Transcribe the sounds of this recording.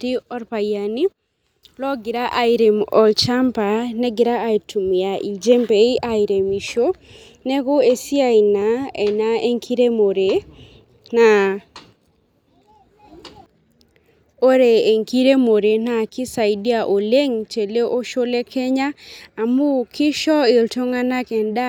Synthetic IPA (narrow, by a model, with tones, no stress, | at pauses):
ti˦ɔ˦ɾpa˨ja˨ni˦ | lɔ˦ɡɪ˨ɾa˦ʔa˨i˨ɾe˨mɔ˨t͡ʃa˦mpa˨nɛ˦ɡɪ˨ɾa˦a˨itu˨m˨ja˨ʔi˨d͡ʒe˦mbe˨i˦ʔai˨ɾe˨mi˨ʃo˦ | nɛ˦ɣo˦e˦si˦a˦i˨na˨ɛ˨na˦e˦ŋkʰi˦ɾe˦mo˨ɾe˨ | na˨ | o˦ɾe˨e˨ŋki˦ɾe˦mo˨ɾe˨na˨kɪ˦sa˨i˨di˦a˨ʔo˨le˦ŋt͡ʃe˨le˦ʔo˦ʃo˦le˦kʰɛ˦ɲaː˦˨mu˦kʰɪ˦ʃɔ˦ɪ˨lto˦ŋa˦na˦kɛ˨nda˦